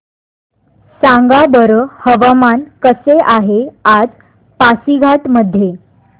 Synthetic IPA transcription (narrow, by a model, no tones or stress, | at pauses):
sãŋɡabəɾəhəʋamankəseʔaɦead͡z | pasiɡʱaʈməd̪ʱːje